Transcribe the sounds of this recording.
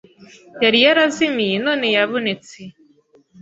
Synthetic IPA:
jaɾijaɾaziminoːnejaβonet͡se

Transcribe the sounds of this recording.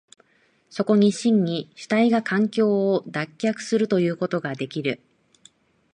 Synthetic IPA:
so̞ko̞ɲ̟iɕĩɲɲiɕi̥t̪aiɡakʰãŋkʲo̞ːd̪akʲːakɯ̟̥sɨɾɯ̟t̪o̞jɯ̟ːko̞t̪o̞ɡad̪e̞kʲiɾɯ̟

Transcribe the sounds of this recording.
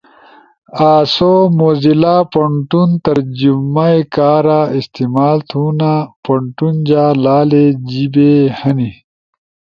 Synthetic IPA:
aːsomoːzilaːpɐɳʈunt̪ɐɾd͡ʑumajkaːɾaist̪imaːlt̪ʰunapɐɳʈund͡ʑaːlaːled͡ʑibehɐni

